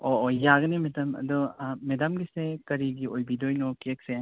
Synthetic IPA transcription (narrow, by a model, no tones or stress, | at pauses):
oːjaɡɐnemedamɐ̰dɔmedamɡisekɐɾiɡiojbidojnokek̚se